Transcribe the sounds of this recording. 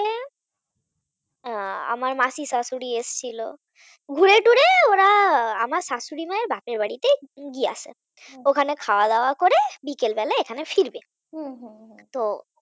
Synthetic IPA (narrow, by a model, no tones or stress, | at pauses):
le | a̰maɾmasisasuɽiest͡ɕʰilo | ɡʱuɾeʈuɾeoɾaamaɾsasuɾimaeɾbʱapeɾbaɽit̪eɡia̰sḛ | okʰanekʰaoad̪aoakoɾebikelbɛleekʰanefiɾbe | t̪o